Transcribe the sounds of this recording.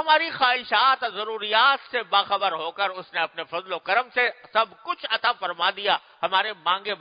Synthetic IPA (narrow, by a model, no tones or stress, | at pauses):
ɦɐmaːɾixaːɦɪʃaːt̪zɐɾuːɾijaːt̪sebaːxɐbəɾɦoːkəɾʊsneɐpnefɐzlokɐɾəmsesɐbʱkʊt͡ʃʰɐt̪afɐɾmad̪ija | hɐmaːɾemãːŋ̆ɡeb